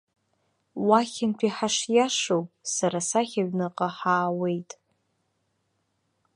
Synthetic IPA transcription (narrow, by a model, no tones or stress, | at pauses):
waχʲɪntʷʰiħaʂjaʂowpʼsaɾasaχʲaɥnɨqʼaħaːwe̞jtʼ